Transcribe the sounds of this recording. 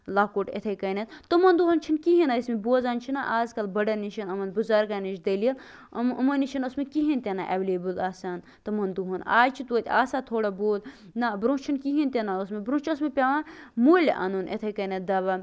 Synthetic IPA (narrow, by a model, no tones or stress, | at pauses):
laːkoːʈḛt̪ʰɐjkɐnɐt̪̚t̪ɐmɐnd̪uɦɐnt͡ʃʰinkiɦinɐismeboːzaːnt͡ʃʰinaʔaːzkɐlbɐɖɐniʃɐnɐmɐnbuzaɾkaːnit͡ʃʰd̪ɐlijɐl | ɐ̰mɐniʃʰinosmekiɦinʲt̪ʲenaʔɛʋleːbɨlaːsaːn | t̪ɐmɐnd̪uɦɐna̰ːjt͡ʃʰit̪oːt̪ʲa̰ːsaːt̪ʰoːɽɐboːd̪ | nabɾũːst͡ʃʰinkiɦint̪ʲenaosmebɾũːt͡ʃʰɐs̬mepʲɐʋanmoːl̰ʲʔa̰nunʔḛt̪ʰɐjkɐnɐt̪̚d̪ɐbɐ